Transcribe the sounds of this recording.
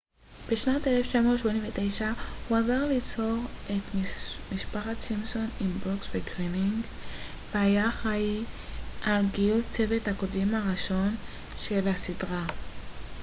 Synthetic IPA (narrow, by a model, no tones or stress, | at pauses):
b̥eʃnateleft͡ʃamo̞tʃmonĩmvet̪ejʃahuazaʁlit͡so̞ʁe̞tmiʃpaχat̪simso̞nimboksveɡʁimiŋɡ | vehajaχaiʔalɡijult͡se̞ve̞thako̞dimaʁiʃo̞n | ʃelasidʁa